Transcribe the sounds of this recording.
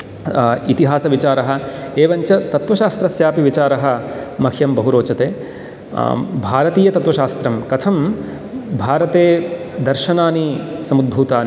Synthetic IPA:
it̪iɦaːsɐʋit͡ʃaːɾɐɦɐ̆eːʋɐɲt͡ʃɐt̪ɐt̪ʋɐʃaːst̪ɾɐsjaːpiʋit͡ʃaːɾɐɦɐ̆mɐkʰjɐmbɐɦuɾoːt͡ʃɐt̪eː | bʱaːɾɐt̪iːjɐt̪ɐt̪ʋɐʃaːst̪ɾɐmkɐt̪ʰɐm | bʱaːɾɐt̪eː | d̪ɐɾʃɐnaːnisɐmud̪̚bʱuːt̪aːn

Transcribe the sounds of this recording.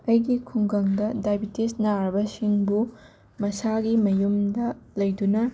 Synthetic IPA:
ɐjɡikʰuŋɡɐŋdɐdajbitesnaɾɐbɐsiŋbu | mɐsaɡimɐjumdɐlɐjdunɐ

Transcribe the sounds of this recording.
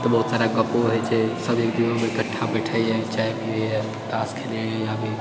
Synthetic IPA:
t̪əbɐɦut̪saːɾaɡəpoɦɛt͡ʃesəbʱeːkd̪inomẽkəʈʰːabeʈʰaiet͡ʃaːepiea | ʈ̪aːskʰele | jabʱi

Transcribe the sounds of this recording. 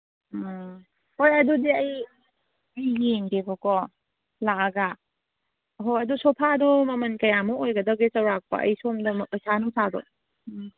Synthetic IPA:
hojɐdudiɐj | ɐjjeŋdebɐkɔ | lakaɡa | ɦojɐdusɔpʰadɔmɐmɐnkɐjamuojɡɐdɐɡet͡ʃɐwɾak̚pɐ̰ʔɐ̰jsomdɐmɐʔɯsanusadɔ̰

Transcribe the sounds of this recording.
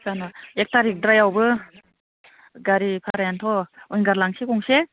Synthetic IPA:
sanɔek̚taɾik̚dɾajawbɯ | ɡaɾipʰaɾajantʰɔujnɡaɾlaŋsikɔŋse

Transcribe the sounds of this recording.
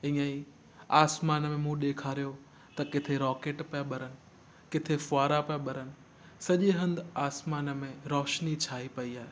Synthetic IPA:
ɪ̃ːai | aːsmaːnmẽmũːɗeːkʰaːɾijo | t̪ɐkɪt̪ʰeɾɔːkeːʈpɐaɓɐɾənɪ̆ | kɪt̪ʰefaːɾapɐjɓɐɾənɪ̆ | sɐʄeɦɐ̃nd̪aːsmaːnəmẽɾɔːʃnit͡ɕʰaːɦipɐiaːɦeː

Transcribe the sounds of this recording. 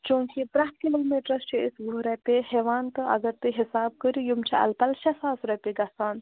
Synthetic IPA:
t͡ʃũːŋkipɾakimɐlmeʈɾɐst͡ʃʰiisɡuɾɛpeɦeːʋaːnt̪ɨʔɐ̰ɡɐɾt̪ɨɦisaːb̚kəɾijumt͡ʃʰiɐ̰lpɐlʃɐsaːsɾɐpeɡɐsaːn

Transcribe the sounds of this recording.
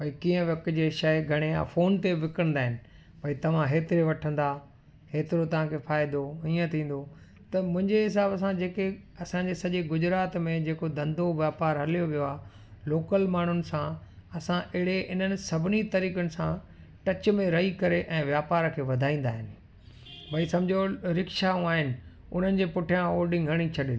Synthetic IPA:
pɐikiːə̃ʋɐkd͡ʑeːʃɐɡʱɐɽ̃ea̰ːfoːnt̪eʋɪkɾə̃n̆d̪aːɦɪnɪ̆ | pɐit̪ɐʋ̤ãɦeːt̪ɪɾeʋɐʈʰə̃nd̪a | heːt̪ɪɾot̪ɐʋ̤ãkʰefaːɪd̪oiːə̃t̪ʰĩːn̆d̪o | t̪ɐmʊ̃ɦɪ̃ɲd͡ʑeɦɪs̬aːbɐs̬ãd͡ʑeːkeɐsãɲd͡ʑeːsɐʄeɡʊd͡ʑɾaːt̪mẽd͡ʑeːkod̪ɐ̃nd̪ʱoʋjaːpaːɾɦɐlijoʋijoaː | loːkəlmaːn̤ʊnɪ̆sãɐsãʔɪɽeɦɪn̤ənɪ̆sɐbʱɪnit̪ɐɾiːkənɪ̆sã | ʈɐt͡ɕmẽɾɐɦikɐɾeʔɛ̃ːʋjaːpaːɾkʰeːʋɐd̪ʱaːĩːn̆d̪aːɦɪnɪ̆ | bʱɐisɐ̃md͡ʑʱoɾɪkʃaũaːɦɪnɪ̆ | ʊ̰n̤ənɪ̆d͡ʑeːpʊʈʰjãoːɗɪ̃ŋɡʱəɽ̃it͡ɕʰɐɗ

